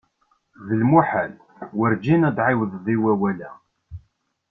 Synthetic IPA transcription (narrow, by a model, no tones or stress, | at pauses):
ðəlmuħæl | wəɾd͡ʒinæd̪ʕiwəðˤðˤiwæwælæ